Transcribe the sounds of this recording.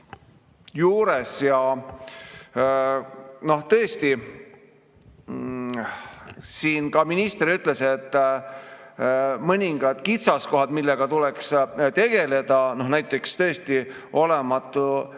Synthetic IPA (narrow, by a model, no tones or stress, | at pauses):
juːɾe̞sjɑ | no̞ht̪ɤest̪i | siːnkɑminist̪eɾyt̪ˑle̞se̞t̪ː | mɤnʲiŋɡ̥ɑd̪̥kit̪sɑsko̞ɦɑd̪̥milːe̞ɡ̥ɑt̪ule̞kst̪e̞ɡ̥e̞le̞d̪̥ɑno̞hnæjt̪ˑːe̞kst̪ɤ̞est̪i | o̞le̞mɑt̪ˑːu